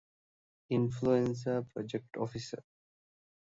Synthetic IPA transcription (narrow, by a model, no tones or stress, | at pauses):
ĩnfluẽns̬əpɾɔd͡ʒek̚ʈɔfisə̰ɾ